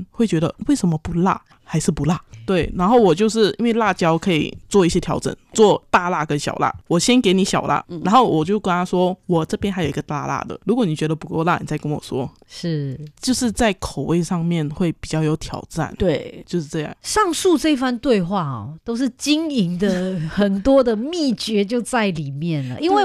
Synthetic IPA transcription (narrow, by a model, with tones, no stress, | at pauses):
xwe˥˩ɪt͡ɕɥɛ˧˥d̪ə̰˧we˥˩ɪʂə˧˥mə˧pu˧˥la̰˥˩ | xa˧˥ɪʂɻ̩˥˩pu˧˥la˥˩t̪we˥˩ɪna˧˥nxo˥˩ʊwɔ˨˩t͡ɕjo˥˧ʊʂ̬ɻ̩˥˩ḭ˥nwe˥˧ɪla˥˩t͡ɕjɑ˥ʊkʰɤ˧˥ḭ˨˩t͡swɔ˥˧i˥˩ɕjɛ˥t̪ʰjɑ˧˥ʊʈ͡ʂə̰˨˩˦nt͡swɔ˥˧t̪a˥˧la̰˥˧kə˦˥nɕjɑ̰˨˩ʊla̰˥˩wɔ˨˩ɕjɛ˥nke˧˥ɪni˨˧˥ɕjɑ˨˩ʊlʔa̰˥˩na˧˥nxo˥˩ʊwʔɔ˨˩t͡ɕjo˥˩ʊkwa˥nt̪ʰa˥ʂwɔ˥wɔ˨˩ʈ͡ʂɤ˥˩pjɛ˥nxa˧˥jo˨˩ʊi˧˥ɡə˧t̪a̰˥˧la̰˥˩d̪ə̰˩lu˧˥kwɔ˧˦ni˨˩t͡ɕɥɛ˧˥d̪ə˧pu˧˥ko˥˧ʊla˥˩nḭ˨˩t͡sa˥˩ɪkə˦nwɔ˨˩ʂwɔ˥ | ʂɻ̩˥˩t͡ɕjo˥˧ʊʂɻ̩˥˧t͡sa˥˩ɪkʰo˨˩ʊwe˥˧ɪʂɑ˥˧ŋmjɛ˥˨nxwe˥˩ɪpi˨˩t͡ɕjɑ˥˩ʊjo˧˥ʊt̪ʰjɑ˨˩ʊʈ͡ʂa̰˥˩nt̪we˥˧t͡ɕjo˥˧ʊʂɻ̩˥˧ʈ͡ʂɤ˥˧jɑ̰˥˩ŋʂɑ˥˧ŋsu˥˧ʈ͡ʂɤ˥˧i˥fa˥˧nt̪we˥˧ɪxwa˥˩ɔ̰˨˩t̪o˥ʊʂ̬̩˥˧t͡ɕi˥ŋi˧˥ŋd̪ə˧xə˨˩nt̪wɔ˥d̪ə˨mi˥˩t͡ɕɥɛ˧˥t͡ɕjo˥˧ʊt͡sa˥˩ɪli˨˩mjɛ˥˩nlə̰˩ʔi˥nwe˥˧